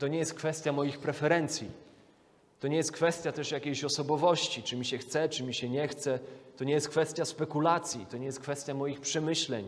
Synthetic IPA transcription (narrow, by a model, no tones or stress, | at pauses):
t̪ɔɲɛjɛst̪̚kfɛst̪ʲjamɔjixpɾɛfɛɾɛnt̪sʲjḭ | t̪ɔɲɛjɛst̪̚kfɛst̪ʲjat̪ɛʂjakʲejɕɔsɔbɔvɔɕt͡ɕit͡ʂɘmʲiɕɛxt̪sɛt͡ʂɘmʲiɕɛɲɛxt̪sɛt̪ɔɲɛjɛst̪̚kfɛst̪ʲjaspɛkulat̪sʲjḭt̪ɔɲɛjɛst̪̚kfɛst̪ʲjamɔjixpʂɛmɘɕlɛɲ